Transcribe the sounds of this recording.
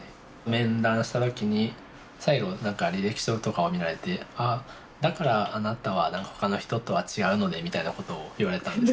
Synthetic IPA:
a | mẽ̞nd̪ãɰ̃ɕi̥t̪at̪o̞kʲiɲ̟i | saiɡo̞nãŋkaɾʲiɾeki̥ɕoɯt̪o̞kao̞mʲiɾaɾe̞t̪e̞a | d̪akaɾaːnat̪aβanãŋkḁho̞̥kano̞çi̥t̪o̞t̪o̞βat͡ɕiɡaɯ̟no̞d̪e̞mʲit̪ainako̞t̪o̞ːiβaɾe̞t̪ãnd̪es

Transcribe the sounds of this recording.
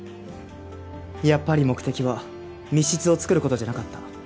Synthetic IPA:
japːaɾʲimo̞kɯ̟t̪e̞kʲiβa | mʲiɕit͡sɨo̞t͡sɨ̥kɯ̟ɾɯ̟ko̞t̪o̞d͡ʑanakat̪ːḁ

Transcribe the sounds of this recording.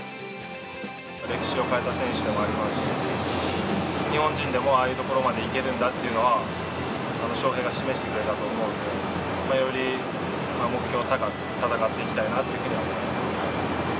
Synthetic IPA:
ɾe̞kʲi̥ɕio̞kaet̪asẽ̞ɰ̃ɕɨd̪e̞mo̞aɾʲimasɨ̥ɕɕii | ɲ̟ihõ̞ɲd͡ʑĩnd̪e̞mo̞aːjɯ̟ːt̪o̞ko̞ɾo̞mad̪e̞ike̞ɾɯ̟̃nd̪at̪ːe̞jiɯ̟no̞βa | ano̞ɕo̞ːɦe̞ɡaɕime̞ɕi̥t̪e̞kɯ̟ɾe̞t̪at̪o̞ːmo̞ɯd̪e | majo̞ɾʲi | mamo̞kɯ̟çʲo̞ː | t̪at̪akat̪ːe̞ikʲi̥t̪ainat̪ːe̞jiɯ̟ɸɯ̟ɲiβaimasɨ̥

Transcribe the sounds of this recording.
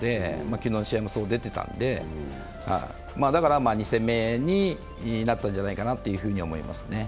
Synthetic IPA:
d̪e̞makʲinonɕiamɯsoːd̪e̞t̪e̞t̪ã̰nd̪e̞ | ha̰ḭ | maːd̪akaɾamaːɲ̟isẽ̞mːe̞ɲ̟i | nat̪ːãɲ̟d͡ʑanaikanat̪ːe̞jɯ̟ɸɯ̟ːɲ̟io̞mo̞ḭma̰sɨ̥ne̞

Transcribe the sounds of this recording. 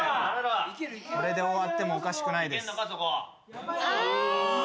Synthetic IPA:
soɾe̞d̪e̞o̞βat̪ːe̞mo̞ːkaɕi̥kɯ̟naid̪e̞skasoko

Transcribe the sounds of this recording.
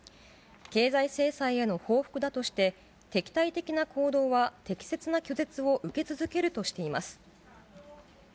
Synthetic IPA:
ke̞ːzaise̞ːsaie̞no̞ho̞ːɸɯ̟̥kɯ̟d̪at̪o̞ɕi̥t̪e̞ | t̪e̞kʲi̥t̪ait̪e̞kʲinakʰo̞ːd̪o̞ːβat̪e̞kʲi̥se̞t͡sɨnakʲo̞ze̞t͡sɨo̞ʔɯ̟ke̞t͡sɨzɨke̞ɾɯ̟t̪o̞ɕi̥t̪e̞ima̰sɨ̥

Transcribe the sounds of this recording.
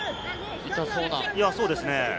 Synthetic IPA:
it̪asoːnaijaso̞ːd̪e̞sɨne

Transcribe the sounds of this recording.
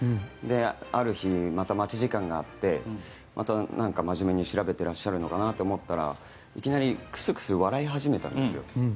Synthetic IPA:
d̪e̞aɾɯ̟çimat̪amat͡ɕiʑikãŋɡaːt̪ːe̞ | mʔat̪anãŋkamaʑime̞ɲ̟iɕiɾabe̞t̪e̞ɾaɕːaɾɯ̟no̞kanat̪ːoomo̞t̪ːaɾa̰ | ikʲinaɾʲikɯ̟̥sɨkɯ̟̥sɨβaɾaiɦaʑime̞t̪ã̰nd̪esɨjo̞̰

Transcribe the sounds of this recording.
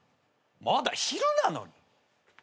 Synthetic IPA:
mad̪açiɾɯnano̞̰ɲ̟i

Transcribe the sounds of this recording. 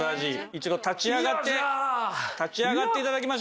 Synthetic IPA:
aʑiit͡ɕid̪o̞t̪at͡ɕiaɡat̪ːe̞ | t̪at͡ɕiaɡat̪ːe̞it̪ad̪akʲimaɕ

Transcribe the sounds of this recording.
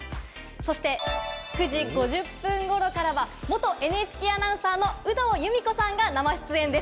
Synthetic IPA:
so̞ɕi̥t̪e̞kɯ̟ʑiɡo̞ʑɨpːɯ̟̃ŋɡo̞ɾo̞kaɾaβamo̞t̪o̞ʔe̞nɯet͡ɕi̥kʲiːanãɰ̃saːno̞ɯ̟d̪o̞ːjɯ̟mʲiko̞sãŋɡanamaɕi̥t͡sɨẽ̞nd̪e̞s

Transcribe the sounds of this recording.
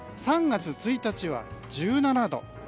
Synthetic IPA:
sãŋɡat͡sɨt͡sɨit̪at͡ɕiβa̰d͡ʑɨːnanad̪o̞̰

